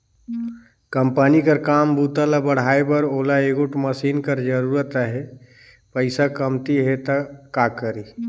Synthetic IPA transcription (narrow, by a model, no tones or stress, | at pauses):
kəmpənikəɾkaːmbuːt̪alabəɽ̤aːebəɾoːlaeɡʊʈməsiːnkəɾd͡ʒəɾuːɾət̪əɦɛ | pəɪsakəmt̪iɦet̪akːaːkəɾi